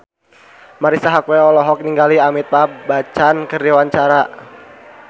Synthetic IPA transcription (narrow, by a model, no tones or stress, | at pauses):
maɾisaɦakwɛɔlɔɦɔk̚niŋɡaliamit̪̚pabat͡ʃankərdiwaɲt͡ʃaɾa